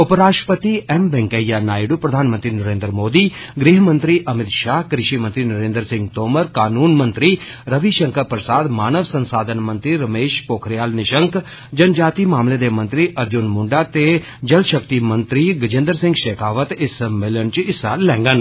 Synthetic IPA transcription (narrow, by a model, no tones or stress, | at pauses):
ʊpɾaːʂʈəpət̪iɛmbɛŋkəijanaːjɖupɾɐd̪ʱaːnmə̃nt̪ɾinəɾeːnd̪ɾmoːd̪iː | ɡɾiːɦmənt̪ɾiʔɐmɪt̪ʃaːɦkɾɪʃimə̃nt̪ɾinɐɾẽːnd̪ɾsɪ̃ŋɡt̪oːməɾkaːnuːnmə̃nt̪ɾi | ɾɐʋiʃə̃ŋkəpɾəsaːd̪maːnəʋsɐ̃nsaːd̪ʱənmə̃nt̪ɾiɾɐmeːʃpoːkʰɾijaːlnɪʃəŋk | d͡ʒɐnd͡ʒaːt̪imaːmled̪emɐ̃nt̪ɾiʔɐɾd͡ʒʊnmʊɳɖat̪e | d͡ʒɐlʃəkt̪imənt̪ɾiɡɐd͡ʒɪ̃nd̪ɾsɪ̃ŋɡʃeːkaːʋət̪ɪsəmɪlənt͡ʃɪsaːɾlɛ̃ːŋɡən